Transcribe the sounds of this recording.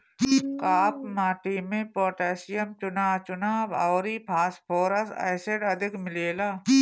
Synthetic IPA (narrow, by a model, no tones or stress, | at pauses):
kaːpmaːʈimẽpoːʈɛːsɪjəmt͡ʃʊnaːt͡ʃʊnaːbaːɾiːpʰaːspʰoːɾɐsa̰ːɪseɖɐd̪ɪkmɪleːlaː